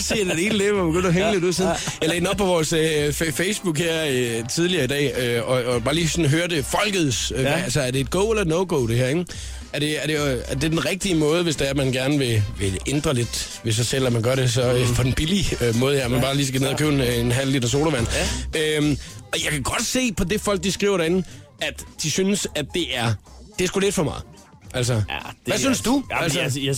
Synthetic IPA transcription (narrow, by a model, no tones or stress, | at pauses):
siːd̥ededleɐb̥eɡ̥øn̰ɐɦeŋle̝d̥uð̰ˠsiːðn̩jleːdnɒb̚pʰɒ̽ʋɒːsffeɪsb̥uɡ̥heɐ̰t͡sʰiðˠliɐːidɛ̰ːøɒ̽ːb̥ɑ̈ːliːsɒ̽n̩ɦøːɐde̝fɒ̽lɡ̥əð̩ˠsælsɐæɐd̥e̝ːd̥ɡ̥ɔʊ̰elɐnɔʊɡ̥o̰ʊɾ̥e̝hæɐeɡ̥ | æɐɾ̥e̝æɐɾe̝ɐd̥e̝d̥enʁɛɡ̥̚d̥imɔ̽ːð̞ˠʋesd̥eæɐmænɡ̥æɐnəʋe̝ʋe̝end̥ʁɐle̝d̥ | ʋe̝s̬ɑ̈ɪsel̰æmænɡ̥ɶɐ̰ɾe̝s̬ɒ̽øpʰɒ̽d̥enb̥iliømɔ̽ːð̞̩ˠheɐmænb̥ɑ̈ːliːs̬ɡ̥æneð̰ˠɐkʰø̰ʊenenɦæn̰l̰led̥ɐs̬o̝̰ːlɐʋæn̰ømɒ̽jɑ̈ɪkʰæɡ̥ɒ̽d̥se̝̰ːpʰɒ̽d̥e̝fɒ̽l̰ɡ̥̚d̥isɡ̥ʁḭʊ̰ɐɾɐe̝nn̩ | æd̥d̥isynəsæd̥ːe̝ʔæɐd̥e̝æɐsɡ̥ule̝d̥fɒ̽mɑ̈ɪ | ʔæls̬ɐ̥ʋæsynsd̥uælsə